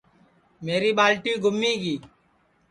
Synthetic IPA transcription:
meːɾiːɓaːlʈiːɡʱʊmːiːɡiː

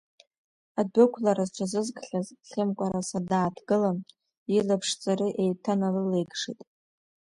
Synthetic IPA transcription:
adɨkʷʰlaɾazʈ͡ʂʷʰazɨzkʰʼɬazɬɪmkʷʼaɾasadaːtʰɡɨlam | ilapʰʂt͡sʼaɾiʔejtʰanalɨlejɡʂḭtʼ

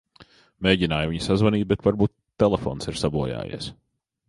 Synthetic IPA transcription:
meːɟinaːjuviɲsazvaniːt̪̚bɛt̪vaɾbuːt̪ːɛlˠɛfo̰ːnsiɾ̥sabuɔja̰ːjḭɛs

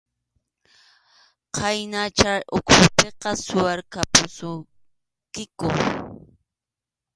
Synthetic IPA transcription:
qʰɑjnat͡ʃajʔʊkʰʊpeqɑsʊwaɾkapʊsʊ | kɪkʊ

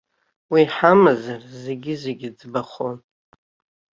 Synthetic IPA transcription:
wiħamazarze̞ɡʲɪzeɡʲɪd͡zbaχon

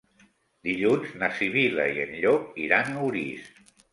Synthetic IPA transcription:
d̪iʎunznasiβila̰ienʎɔk̚iɾanuɾis

